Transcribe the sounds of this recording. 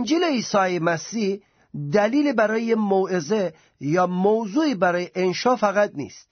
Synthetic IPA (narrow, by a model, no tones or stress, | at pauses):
nd͡ʒileisɑjemasih | d̪alilebaɾɔjemoweze | jɑmowzuibaɾɔjeʔenʃɑfaɣat̪̚nḭst̪